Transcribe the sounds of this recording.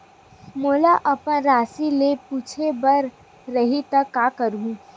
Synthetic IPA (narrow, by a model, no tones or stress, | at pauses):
moːlaʔɐpənɾaːsilepuːt͡ʃʰebɐɾː | ɐɦit̪ɐkːaːkəɾũː